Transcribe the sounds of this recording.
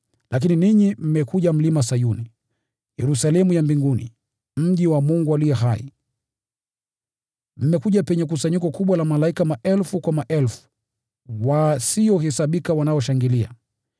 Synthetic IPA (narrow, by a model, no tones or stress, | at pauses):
lak̬ininiɲim̩mɛkuʄam̩limasajuni | jɛɾusalɛmujambiŋɡunḭ | m̩ʄiwamuŋɡualijɛɦaḭ | m̩mɛkuʄapɛɲɛkusaɲikɔkuɓwalamalaikamaʔɛlfukwamaʔɛlfu̥ | wasiɔhɛsaɓikawanaɔʃaŋɡilia̰